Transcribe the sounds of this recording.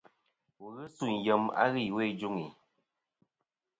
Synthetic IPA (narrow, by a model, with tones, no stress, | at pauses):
wo˨ɣɨ˦su˦˨n˨jə˨ma̰˦ɣi˦˨we˦˨d͡ʒu˦ŋi˨